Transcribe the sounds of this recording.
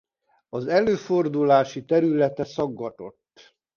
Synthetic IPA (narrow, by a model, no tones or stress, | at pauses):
ɒzɛløːfo̞rd̪ulaːʃit̪ɛɾylɛt̪ɛsɒɡːɒt̪o̞t̪ː